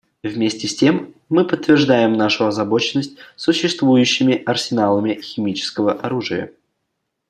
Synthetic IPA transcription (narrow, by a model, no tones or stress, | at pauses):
vmʲesʲtʲɪsʲtʲe̞mː | ɨpət̪ːvʲɪrʐd̪ajɪmnaʂʊɐzɐbo̞t͡ɕɪnːəsʲt̚ʲsʊɕːɪst̪vujʉɕːɪmʲɪʔɐrsʲɪnalˠəmʲɪxʲɪmʲit͡ɕɪ̥skəvəʔɐɾuʐɨjə̰